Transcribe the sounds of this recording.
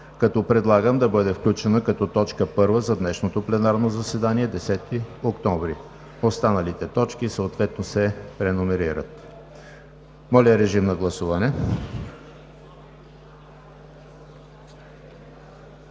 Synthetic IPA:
kɐt̪ɔpɾɛd̪lˠaɡəmd̪ɐbɤd̪ɛfklʲut͡ʃɛnəkɐt̪ɔt̪ɔt͡ʃkəpɤɾvəzɐd̪nɛʃnot̪oplɛnaɾnozɐsɛd̪aniɛd̪ɛsɛt̪iokt̪ɔvɾi | ost̪anɐlit̪ɛt̪ɔt͡ʃk̟isəot̪vɛt̪̚nosɛpɾɛnomɛɾiɾə̰t̪ | mɔlʲəəɾɛʒimnɐɡlˠɐsuvɐnɛ

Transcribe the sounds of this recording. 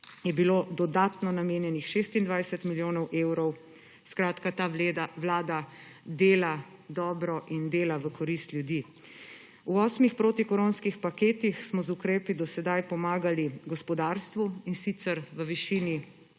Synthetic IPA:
jɛbiloːd̪ɔd̪aːt̪nɔnameːnjɛnixʃeːst̪ind̪ʋajsɛt̪miljoːnɔwʔewɾɔw | skɾaːt̪kat̪aʋlaːd̪a | d̪eːla | d̪ɔːbɾɔʔind̪eːlaʋəkʰɔɾist̪lʲjud̪i | uɔːsmixpɾoːt̪ikɔɾonskixpakeːt̪ixsmɔzukɾeːpid̪ɔsɛd̪ajpɔmaːɡaliɡɔspɔd̪aːɾst̪ʋuinsit̪səɾʋəʋiʃiːni

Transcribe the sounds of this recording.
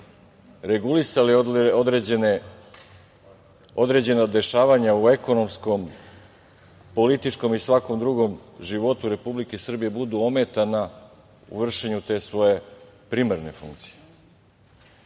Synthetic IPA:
ɾe̞ɡulisaliod̪n | od̪ɾe̞d͡ʑe̞nad̪e̞ʃaːʋaɲaue̞ko̞no̞msko̞m | po̞lit̪it͡ʃko̞misʋako̞md̪ɾuɡo̞mʒiʋo̞t̪uɾe̞publikesr̩bije̞bud̪uome̞t̪ana | ṵʋr̩ʃe̞ɲut̪e̞ːsʋo̞je̞pɾimaɾne̞fṵŋkt̪si̥je̥

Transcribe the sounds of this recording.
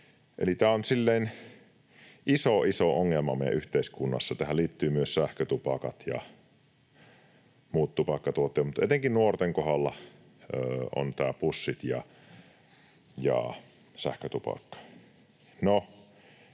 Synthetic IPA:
ʔḛlit̪æːonsilːein | isoʔisoʔoŋːelmɑmḛˑjæ̰ʔyht̪eiskunːɑ̰sːɑt̪æhælliːt̪ːyːmyøssæhkøt̪upɑkɑ̰t̪jɑ̰ | muːt̪t̪upɑkːɑt̪uot̪ːˑeːtmut̪et̪eŋkinnuort̪eŋkohɑlːɑ | øːo̰nt̪æːpusːit̪jɑ̰ | jɑ̰ | sæ̰hkøt̪upɑ̰kːɑ̥ | no

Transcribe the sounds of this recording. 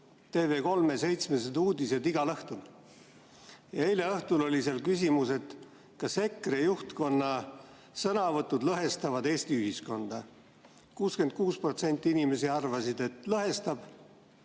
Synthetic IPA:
t̪e̞ːve̞ːko̞lmese̞jt̪sme̞s̬ed̪uːd̪ise̞d̪iɡɑlɤht̪ul | jɑejleɤht̪ulo̞lʲiselkys̬imuse̞d̪̥ | kɑse̞kːˑrejuht̪ko̞nːɑ | sɤnɑvɤt̪ːˑud̪lɤɦe̞st̪ɑvɑd̪e̞ːst̪iyɦisko̞nd̪̥ɑ | kuːske̞n̚kuːspro̞t̪se̞nʲt̪ːˑiinime̞siɑrvɑsid̪̥e̞t̪ˑlɤɦe̞st̪ɑb̥

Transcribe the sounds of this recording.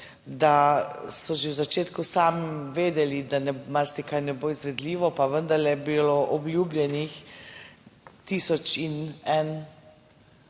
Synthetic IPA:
d̪asɔʒewzat͡ʃeːt̪kusaːmiʋeːd̪ɛlid̪anɛmaɾsikajnɛboizʋɛd̪liːʋɔpaʋənd̪ɐɾlɛbiloʔɔblʲjuːblʲjɛnix | t̪iːsɔt͡ʃinɛn

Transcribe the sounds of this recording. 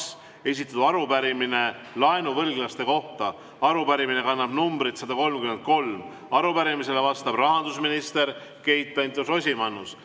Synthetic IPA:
s | e̞s̬ʲit̪ːˑɑt̪uɑɾubæɾimine̞ | lɑenuvɤlɡlɑst̪e̞ko̞ht̪ɑ | ɑɾupæɾiminekɑnːɑb̥numbɾit̪sɑd̪̥ɑko̞lmkyme̞nt̪̚ko̞lm | ɑɾupæɾimis̬e̞le̞vɑst̪ɑb̥rɑɦɑnd̪usminist̪e̞ɾ | ke̞jt̪̚pent̪luso̞sʲimɑnːus

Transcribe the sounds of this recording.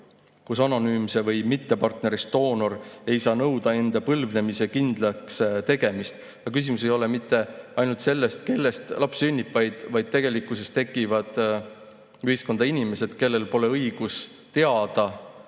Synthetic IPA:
kusɑno̞nyːmse̞vɤjmit̪ːe̞pɑrt̪ne̞ɾist̪o̞ːno̞ɾe̞jsɑːnɤwd̪ɑe̞nd̪̥ɑpɤlvne̞mise̞kind̪̥lɑkst̪e̞ɡ̥e̞mist̪ | jɑkys̬imus̬e̞jo̞lemit̪ːˑe̞ɑjnult̪se̞lːe̞st̪̚ke̞lːe̞st̪lʔɑpsynʲːipːˑvɑjd̪̥vɑjd̪̥̚t̪e̞ɡe̞likːˑuse̞st̪e̞kˑivɑd̪̥ | yhisko̞nd̪̥ɑinime̞se̞d̪̥ke̞lːe̞lpo̞le̞ɤjɡ̥us | t̪e̞ɑd̪̥ɑ

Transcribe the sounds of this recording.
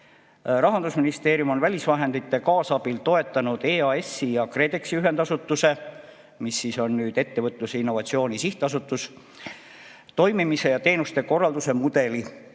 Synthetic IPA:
ɾɑɦɑnd̪usminist̪e̞ːɾjumo̞nvælʲisvɑɦe̞nd̪it̪ːe̞kɑːsɑb̥ilt̪o̞e̞t̪ːˑɑnud̪̥e̞ːɑe̞sːijɑkre̞ːd̪e̞ksiyɦe̞nd̪̥ɑsut̪ːˑuse̞ | misːiso̞nnyːd̪̥e̞t̪ːe̞vɤt̪ˑluseinːo̞vɑt̪sio̞ːnisiht̪ɑs̬ut̪ːˑus | t̪o̞jmimise̞jɑt̪e̞ːnust̪e̞ko̞rːɑld̪use̞mud̪̥e̞li

